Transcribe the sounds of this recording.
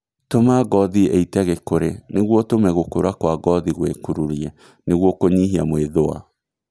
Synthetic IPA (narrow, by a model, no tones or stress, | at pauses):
tomaɡɔðieitɛɣekoɾeneɣwɔtomɛɣokoɾakwaɡɔðiɣwekuɾuɾiɛ | neɣwɔkoɲiɦiamweðoa̰